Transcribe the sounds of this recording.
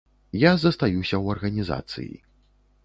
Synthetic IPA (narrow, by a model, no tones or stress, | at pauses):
jazɐst̪ajusʲɐwɐrɣɐnʲiza̰t̪sɨ̰jḭ